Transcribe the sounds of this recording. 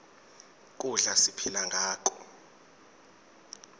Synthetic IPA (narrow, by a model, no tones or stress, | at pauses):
k̬ʼuɮasipʰilaŋɡʱaːk̬ʰʼɔ